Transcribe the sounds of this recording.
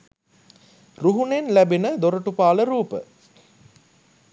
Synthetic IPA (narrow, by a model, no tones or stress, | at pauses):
ruɦunenlæbinəd̪oɾəʈupaːləɾuːpə̰